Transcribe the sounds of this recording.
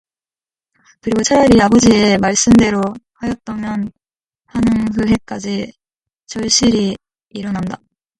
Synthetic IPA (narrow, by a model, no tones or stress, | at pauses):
kɯɾiɡot͡ɕʰaɾjʌɾiabʌd͡ʑie̞maɭs͈ɯnde̞ɾohajʌt̚t͈ʌmjʌn | hanɯŋɦɯɦe̞k͈ad͡ʑi | t͡ɕʌɭɕ͈iɾiː | ɾʌnanda